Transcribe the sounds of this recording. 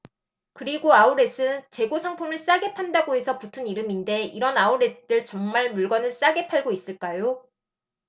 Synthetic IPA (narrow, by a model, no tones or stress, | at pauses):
kɯɾiɡoauɾe̞sʰɯnt͡ɕe̞ɡosʰaŋpʰumɯɭs͈aɡe̞pʰandaɡoɦe̞sʰʌputʰɯniɾɯminde̞iɾʌnauɾe̞t͈ɯɭt͡ɕʌŋmaɭmuɭɡʌnɯɭs͈aɡe̞pʰaɭɡois͈ɯɭk͈ajo